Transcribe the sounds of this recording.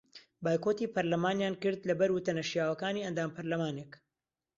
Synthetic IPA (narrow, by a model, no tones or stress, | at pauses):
baːjkoːt̪iːpʰɐɾlɐmaːnjaːnkɨɾd̪lɐbɐɾwʊt̪ɐnɐʃjaːwɐkaːniːɐnd̪aːmpʰɐɾlɐmaːnek